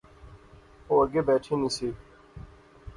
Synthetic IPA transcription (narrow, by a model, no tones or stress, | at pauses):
ɦoːɐɡeːbɛːʈʰeːnĩːsiː